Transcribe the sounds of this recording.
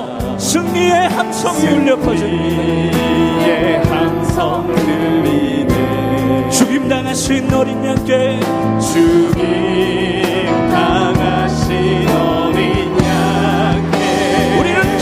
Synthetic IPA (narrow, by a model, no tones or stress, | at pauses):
sʰɯŋɲiehamsʰʌŋjuɭːʌpʰʌd͡ʑi | ehansʰʌŋdɯide | t͡ɕuɡimdaŋaɕʰinːʌɾiɲank͈e | t͡ɕuɡi | mtaŋa | ɕʰi | ʌ | ɾi | ɲa | ke | uɾiɾɯnt͡ɕ